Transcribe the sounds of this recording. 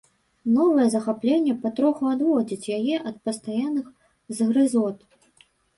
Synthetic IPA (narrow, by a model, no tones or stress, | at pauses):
nɔvɐjɛzɐxaplʲenʲːɛpat̪ɾɔxuad̪vɔd͡zʲit͡sʲjajɛʔɐt̪̚pɐst̪ajanːɨx | zɣɾɨzɔt̪